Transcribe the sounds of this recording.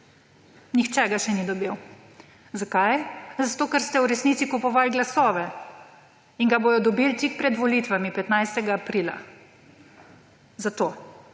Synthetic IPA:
nixt͡ʃɛɡaʃɛnid̪ɔbiw | zakajzat̪oːkɛɾst̪ɛwɾɛsnit̪sikupɔʋalɡlasɔːʋɛ | iŋɡaboːjɔd̪ɔbiːlt̪ik̚pɾɛd̪ʋɔliːt̪ʋamipɛt̪najst̪ɛɡaːpɾiːla̰ | zat̪oː

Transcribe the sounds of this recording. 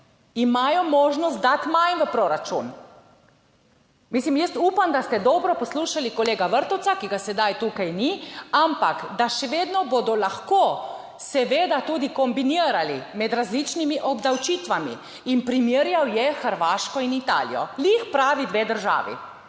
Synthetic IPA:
imaːjɔmɔːʒnɔst̪̚d̪at̪majnʋəpɾoːɾat͡ʃun | miːslimjɛst̪uːpamd̪ast̪ɛd̪ɔbɾɔpɔsluːʃalikɔleːɡaʋəɾt̪ɔw̪sakiɡasɛd̪ajt̪uːkajniampakd̪aʃɛʋeːd̪nɔbod̪ɔlaxko | sɛʋeːd̪at̪uːd̪ikɔmbiniːɾalimɛd̪ɾazlit͡ʃnimiʔɔbd̪awt͡ʃiːt̪ʋamḭ | inpɾimiɾjawjɛxəɾʋaːʃkɔinit̪a̰ːlḭjɔ̰lixpɾaːʋid̪ʋeːd̪əɾʒa̰ːʋḭ

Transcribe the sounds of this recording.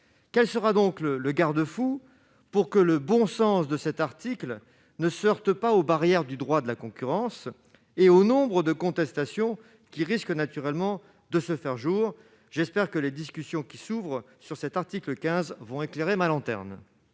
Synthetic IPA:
kʲɛlsəʁad̪ɔ̃klələɡaʁd̪əfu | puʁkələbɔ̃sɑ̃sd̪əsɛt̪aʁt̪ikl | nəsɔʁt̪əpaobaʁjɛʁd̪yd̪ʁwad̪əlakɔ̃kʲyʁɑ̃s | eonɔ̃bʁəd̪əkɔ̃t̪ɛst̪asjɔ̃ | kʲiʁisknat̪yʁɛlmɑ̃ | d̪əsəfɛʁʒuːʁ | ʒɛspɛʁkəled̪iskʲysjɔ̃kʲisuvʁ | syʁsɛt̪aʁt̪ikləkʲɛ̃zvɔ̃ekleʁemalɑ̃t̪ɛ̰ʁn

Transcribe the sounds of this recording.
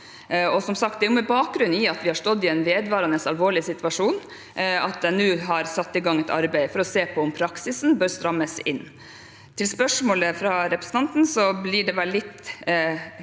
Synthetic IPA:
ɔsɔmsɑk̚t̪̚d̪ɛæjʊmɛbɑːk̚ɡɾʉnɪɑt̪ʋɪhɑɾʂtɔd̪ːɪɛɪnʋeːd̪ʋɑːɾɑnəsɑlʋoːɭɪsɪt̪ʋɑʂuːn | ʔɑt̪̚d̪ɛnʉːɦɑɾsɑt̪ːɪlɡɑŋːɛt̪ɑ̰ɾbæɪəfɔɾɔseːpʰɔɔmpʰɾɑksɪsnbœːɾst̪ɾɑmːəsɪ̰nː | t̪ʰɪlspœʂmoːləfɾɑɾɛpɾəsn̩ɑnt̪n̩sɔblɪɖɛʋɛlːɪt̪ː

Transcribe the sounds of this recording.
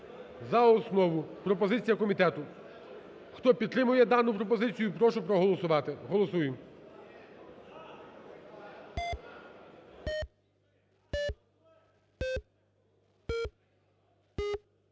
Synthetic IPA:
zɐɔsnɔʋʊpɾɔpɔzɪt͡sʲijɐkɔmʲit̪ɛt̪ʊ | xt̪ɔpʲid̪̚t̪ɾɪmʊjɛd̪ɑnʊpɾɔpɔzɪt͡sʲijʊpɾɔʃʊpɾɔɦɔlˠɔsʊʋɑt̪ɪɦɔlˠɔsujɪ

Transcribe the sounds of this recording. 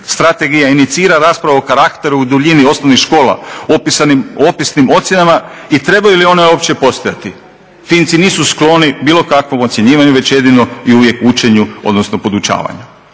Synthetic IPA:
st̪ɾat̪e̞ɡijainit̪siːɾaɾaːspɾaʋaokaɾakt̪e̞ɾuud̪uʎinio̞snoʋnixʃko̞ːlˠa̰opisanimopisnimo̞t̪sʲje̞nama | it̪ɾe̞bajulio̞neo̞ːpt͡ɕe̞po̞st̪ojat̪i | fint̪siniːsusklo̞nibiːlˠo̞kakʋo̞mo̞t̪sjeɲiːʋaɲuʋe̞t͡ɕje̞d̪ino̞iuʋje̞kut͡ʃe̞ɲuod̪no̞sno̞po̞d̪ut͡ɕa̰ːʋa̰ɲu

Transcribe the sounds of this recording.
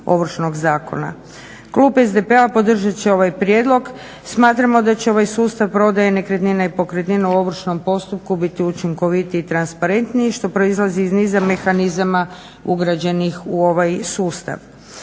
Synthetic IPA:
o̰ʋr̩t͡ʃno̞ɡzaːko̞̰na̰ | kluːbezd̪e̞pe̞apo̞d̪r̩ʒat͡ʃeo̞ʋajpɾje̞d̪lˠo̞ɡ | smaːt̪ɾamo̞d̪at͡ɕeo̞ʋajsuːst̪aʋpɾo̞d̪ajenekɾet̪ninaipo̞kɾet̪ninauo̞ʋr̩t͡ʃno̞mpo̞st̪up̚kubit̪iut͡ʃiŋko̞ʋit̪iːt̪ɾanspaɾe̞nt̪niiʃt̪o̞pɾo̞izlˠaziːznizame̞xanizama | uɡɾad͡ʑe̞nixuo̞ʋajsuːst̪a̰ʋ

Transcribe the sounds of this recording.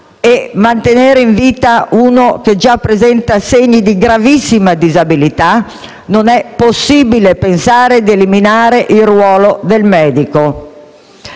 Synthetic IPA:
emant̪eneːɾeiɱviːt̪auːnok̟ed͡ʒapːɾezɛnt̪aseɲːid̪iɡɾavisːimad̪izabilit̪a | nonɛpːosːiːbilepensaːɾed̪eliminaːɾeʔilrwɔːlod̪elmɛːd̪iko

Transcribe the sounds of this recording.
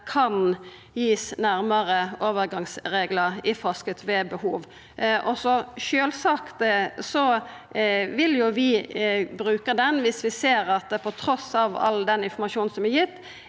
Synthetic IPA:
kʰɑn | jiːsnæɾməɾəoːʋəɾɡɑŋsɾeːɡləɾɪfɔskət̪ʋɛbəhuːʋ | ʔɔsɔʃøːlsɑkt̪sɔ | ʋɪljʊʋɪbɾʉːkəd̪ɛnʋɪsʋɪseːɾɑt̪pʰɔt̪ʰɾɔsɑʋɑ̰ld̪ɛnɪnfɔɾmɑʃuːnn̩sɔmæjɪt̪ː

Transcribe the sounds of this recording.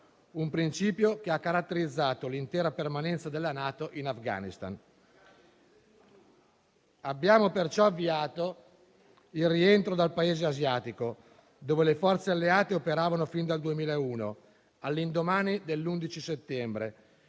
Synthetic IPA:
umpɾint͡ʃiːpjokeakːaɾat̪ːeɾid̪zːaːt̪olint̪ɛːɾapermanɛnt̪sad̪elːanaːt̪oʔinafɡa̰ːnist̪a̰n | abːjaːmopert͡ʃɔavːiaːt̪o | ilrient̪ɾod̪alpaeːzeazjaːt̪iko | d̪oːvelefɔrt̪sealːeaːt̪eopeɾaːvanofind̪ald̪uemiːlaeuːno | alːind̪omaːnid̪elːund̪it͡ʃiset̪ːɛmbɾe

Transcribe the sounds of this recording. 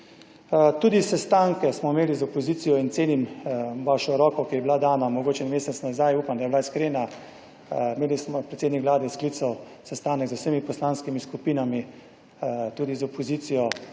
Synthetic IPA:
t̪uːd̪isɛst̪aŋkɛsmɔimeːlizɔpɔziːt̪sijɔint̪seːnimʋaʃɔɾɔːkɔkijɛbilad̪aːnamɔɡoːt͡ʃɛnmeːsɛt̪snazajuːpamd̪ajɛbilaiskɾeːna | meːlismɔpɾɛt̪seːd̪nikʋlaːd̪ɛsklit̪saw | sɛst̪aːnəɡzuwsəmipɔslaːnskimiskupiːnami | t̪uːd̪izɔpɔzit̪sijɔ

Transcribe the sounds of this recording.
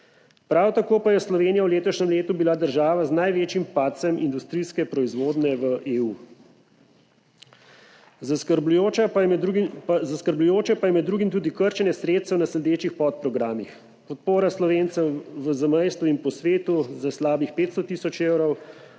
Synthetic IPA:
pɾawt̪akoːpajɛslɔʋeːnijawleːt̪ɔʃɲɛmleːt̪ubilad̪əɾʒaːʋaznajʋeːt͡ʃimpat̪sɛmind̪ust̪ɾiːskɛpɾɔizʋoːd̪nɛʋəʔeːuː | zaskəɾblujoa | zaskəɾblujoːt͡ʃɛpajɛmɛd̪ːɾuːɡimt̪uːd̪ikəɾt͡ʃɛnjɛsɾeːt̪st̪ɛwnasɛlɛd̪eːt͡ʃixpɔt̪̚pɾɔɡɾaːmix | pɔt̪̚poːɾaslɔʋeːnt̪sɛʋəzamɛjst̪uinpɔsʋeːt̪uzaslaːbixpeːt̪st̪ɔt̪iːsɔt͡ʃeːwɾɔw

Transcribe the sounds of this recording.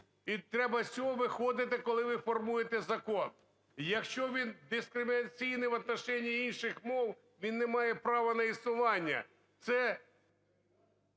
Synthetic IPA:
it̪ɾɛbɐsʲt͡sʲɔɦɔʋɪxɔd̪ɪt̪̬ɪkɔlˠɪʋɪfɔrmujet̪ɛzɐkɔn | jɐkʃt͡ʃɔʋʲind̪ɪskɾɪmʲiɪnɐt͡sʲijnɪʋɐt̪nɐʃɛnʲːiinʃɪxmɔw | ʋʲinːɛmɑjɛpɾɑʋɐnɐisnʊʋɑnʲːɐ̰ | t̪sɛ

